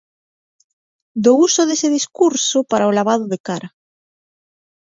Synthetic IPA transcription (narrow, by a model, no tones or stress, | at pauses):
d̪ousoðeseð̞iskuɾsopaɾaolaβ̞aðoðekaɾa